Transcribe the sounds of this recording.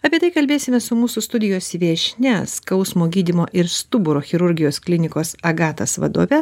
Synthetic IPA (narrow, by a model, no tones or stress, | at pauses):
ɐpʲiɛt̪ɐɪkɐlʲbʲeːsʲɪmʲɛsʊmuːsʊst̪ʊd̪ʲɪjoːsʋʲeːʃʲnʲɛskɐʊsmoːɡʲiːd̪ʲɪmoːʔɪɾst̪ʊbʊɾoːxʲɪɾʊɾʲɡʲɪjoːsklʲɪnʲɪkoːsɐɡɑːt̪ɐsʋɐ̰d̪o̰ːʋʲɛ